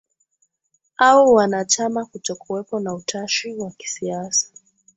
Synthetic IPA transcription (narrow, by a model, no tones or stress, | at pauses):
aɔwanat͡ʃamakutɔkuɛpɔnautʰaʃiwaki̥siasḁ